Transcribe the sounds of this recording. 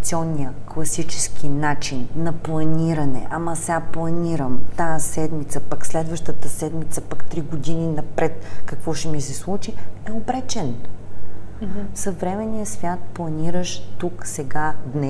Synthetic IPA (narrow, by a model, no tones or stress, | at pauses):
t̪sʲiɔnːijəklˠɐsit͡ʃɛ̥skinat͡ʃinnɐplˠɐniɾənɛ̰ʔɐmɐsɛaplˠɐniɾəmt̪asɛd̪mit̪səpakslɛd̪vəʃt̪ət̪əsɛd̪mit̪səpakt̪ɾiɡod̪ininɐpɾɛt̪kɐkvɔʃɛmisɛslˠut͡ʃiɛobɾɛt͡ʃɛn | sɐvɾɛmɛnijəsvʲjat̪̚plˠɐniɾəʃt̪uksɛɡad̪nɛ